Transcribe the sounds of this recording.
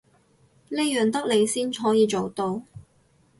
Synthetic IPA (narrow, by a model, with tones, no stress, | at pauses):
leː˥jœː˨˩ŋt̪ɐ˥k̚le˨˧jsiː˥nɦɔː˨˥jiː˨˧t͡ʃo˨wt̪o˧w